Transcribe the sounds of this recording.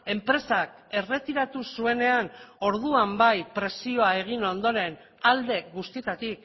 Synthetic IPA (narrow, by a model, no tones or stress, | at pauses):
e̞mpɾe̞sake̞re̞t̪iɾat̪usue̞ne̞ano̞ɾðuambajpɾe̞sio̞ae̞ɣ̞ino̞nd̪o̞ɾe̞n | ald̪e̞kɡust̪it̪at̪ik